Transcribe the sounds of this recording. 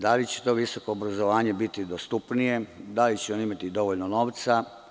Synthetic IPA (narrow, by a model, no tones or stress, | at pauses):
d̪alit͡ɕet̪o̞ʋiso̞ko̞ːbɾazoʋaːɲe̞bit̪id̪ost̪upnije̞d̪alit͡ɕeonimat̪id̪o̞ʋoʎnono̞ːʋt̪sa